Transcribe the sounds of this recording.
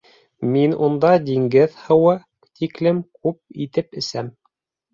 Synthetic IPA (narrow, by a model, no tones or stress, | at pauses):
minund̪ɑd̪iŋɡɘðhɤ̆wɤ | t̪ʰiklɘmkʉp̚it̪ɘpɘ̆sæm